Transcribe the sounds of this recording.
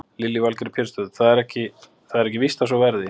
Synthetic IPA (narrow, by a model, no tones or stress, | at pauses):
lɪlːivalkɾɪpʰɪɾ̥st̪ʏðθaðɛɾɛhcɪ | θaðɛɾɛhcɪvist̪as̬ɔvɛɾðɪ